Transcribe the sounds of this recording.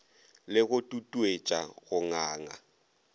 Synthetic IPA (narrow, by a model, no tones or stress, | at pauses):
lɪɣʊtʼutʼuet͡ʃʼaɣʊŋaːŋa̰